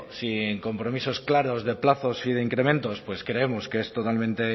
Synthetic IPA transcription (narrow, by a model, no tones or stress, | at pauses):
sieŋko̞mpɾo̞miso̞sklaɾo̞zðe̞plaθo̞siðe̞iŋkɾe̞mẽ̞nt̪o̞spwe̞skɾe̞e̞mo̞skeest̪o̞t̪almẽnt̪e̞